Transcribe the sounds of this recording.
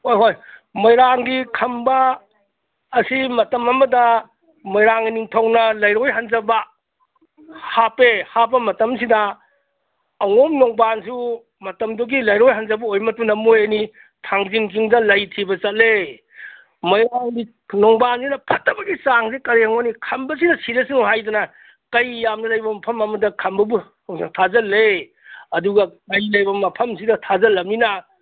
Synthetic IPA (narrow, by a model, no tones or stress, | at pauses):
hojɦojmɐjɾaŋɡikʰɐmbɐ | simɐtɐmɐmɐdɐ | mɐjɾaŋɐniŋtʰɐwnɐlɐjɾojɦanzɐbɐ | hapehap̬ɐmɐtɐmsidɐ | wŋomnoŋbansu | mɐtɐmduɡilɐjɾojɦanzɐbɐojmɐt̚pɐnɐmojɐni | tʰaŋziŋk̬iŋdɐlɐjtʰibɐt͡ʃɐt̚le | mɐjaɡi | noŋbansinɐpʰɐtːɐbɐɡisaŋsekɐɾeŋmonikʰɐmbɐsinɐsiɾɐsiŋɦajdɐnɐ | kɐjjːamnɐlɐjbɐmɐpʰɐmɐmɐdɐkʰɐmbɐbu | seŋtʰazɐlːe | ɐduɡɐkɐjlɐjbɐmɐpʰɐmsidɐtʰazɐlɐm̚ninɐ